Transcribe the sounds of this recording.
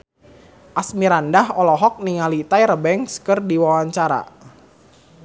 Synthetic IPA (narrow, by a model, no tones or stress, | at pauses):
ʔasmiɾandaɦɔlɔɦɔk̚niŋalit̪ajɾəbɛŋskərdiwawaɲt͡ʃaɾa̰